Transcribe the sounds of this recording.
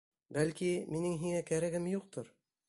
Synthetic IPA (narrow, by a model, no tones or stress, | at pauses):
bælkiminɘŋɦiŋækæɾæɡɘmjuq̚t̪oɾ